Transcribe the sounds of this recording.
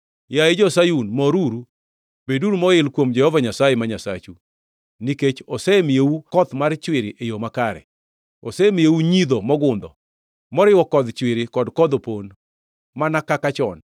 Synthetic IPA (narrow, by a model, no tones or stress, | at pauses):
jaed͡ʒɔsajunmɔɾuɾu | beduɾumɔɪlkwomd͡ʒɛhɔvaɲasajemaɲasa̰t͡ʃu | niket͡ʃɔsɛmeukɔt̪mart͡ʃwɪɾɪʔejomakaɾɛ̰ | osɛmeuɲid̪omɔɡʊnd̪ɔ | mɔɾɪwɔkɔd̪t͡ʃwɪɾɪkɔdkɔd̪opon | manakakat͡ʃɔn